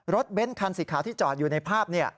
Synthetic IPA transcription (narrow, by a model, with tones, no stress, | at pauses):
ɾo˦˥t̪̚be˦˥nkʰa˧nsiː˩˦kʰaː˩˦t̪ʰiː˥˩t͡ɕɔː˨˩t̪̚juː˨˩na˧jpʰaː˥˩p̚ni˥˩ɐ